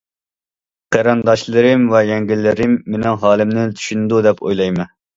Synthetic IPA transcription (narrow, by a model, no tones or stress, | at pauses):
qʰeɾɑnd̪ɑʃlˠɨɾɨmvɛjɛŋɡʲilːɪɾɪmːenɪŋɦɑːlˠɪmnɪt̪ʰy̥ʃynd̪ud̪ɛpʰo̰jlˠɑjmɨ